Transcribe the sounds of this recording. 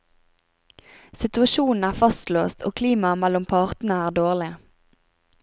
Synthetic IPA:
sɪt̪ʉɑʃuːn̩æːʁfɑst̪løːst̪ʰo̰ːkʰliːmɑmɛlʊmpʰɑʁt̪n̩əæːʁd̪oːʁlɪ

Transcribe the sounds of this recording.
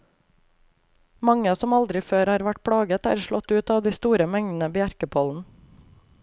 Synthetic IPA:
mɑŋəɑːsɔmɑld̪ɾɪføːɾhɑːɾʋæʈ̚pʰɽɑːɡət̪æ̰ːɾʃɭɔt̪ʉːt̪ɑːʋd̪iːst̪uːɾəmɛŋd̪n̩əbɪæɾkəpʰoːln̩

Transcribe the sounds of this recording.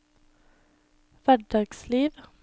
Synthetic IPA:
ʋæɖɑːɡ̥sliːʋ

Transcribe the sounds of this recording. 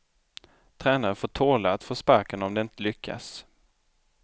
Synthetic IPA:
t̪ʰɾɛːnaɾəfoːʈʰoːɭaat̪foːspaɾkənɔmd̪ɛɪnt̪əlʏkʰːa̰s

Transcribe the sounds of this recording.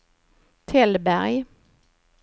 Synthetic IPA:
t̪ʰɛlbæɾj

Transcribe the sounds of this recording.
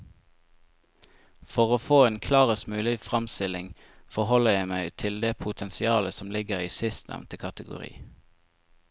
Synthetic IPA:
fɔʁoːfoːeːnkʰlɑːʁəst̪mʉːlɪfʁɑmst̪ɪlɪŋ | fɔhɔləjæɪmæɪt̪ʰɪld̪eːpʰʊt̪ʰɛnsɪɑːləsɔmlɪɡəʁiːsɪst̪næ̰ʋnt̪əkʰɑt̪əɡʊ̰ʁḭː

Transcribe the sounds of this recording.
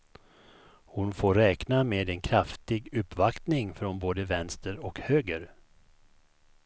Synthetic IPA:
hʊnfoːɾɾɛːknameːd̪ɛnkʰɾaft̪ɪɡɵpːvakt̪nɪŋfɾɔnboːd̪əvɛnst̪əɾɔkhøːɡəɾ

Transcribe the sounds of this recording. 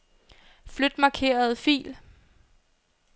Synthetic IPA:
flød̥mɑ̈kʰe̝̰ːɐð̞̩ˠfḭːl

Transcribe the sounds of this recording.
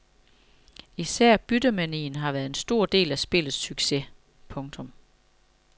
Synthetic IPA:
isæɐ̰b̥yd̥əmænḭːnɦɑ̈ʋæɐð̩ˠe̝nsd̥o̝ɐ̰d̥e̝̰ːlæsb̥e̝lð̩ˠsyɡ̥se̝ | pʰɔ̽ŋt͡sʰɔ̽m

